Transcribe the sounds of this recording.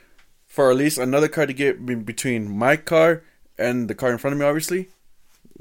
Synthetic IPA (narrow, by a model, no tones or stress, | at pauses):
fə˞ɨtˡlistɨnʌðə˞kʰɑɹɾɨɡɛt̚bɨtʰw̥ĩnmaɪkʰɑɹ | ʔɨ̃nðɨkʰɑɹɨ̃nfɹʌ̃ñʌvmiɑbviɨsli